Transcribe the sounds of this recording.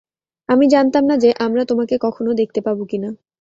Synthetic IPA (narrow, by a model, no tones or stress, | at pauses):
amid͡ʑant̪amnad͡ʑeʔamɾat̪omakekɔkʰonod̪ek̚t̪epaɾbokina